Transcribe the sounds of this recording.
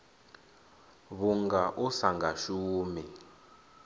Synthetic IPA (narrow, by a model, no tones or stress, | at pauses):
βuŋɡaʔusaŋɡʱaʃuːmi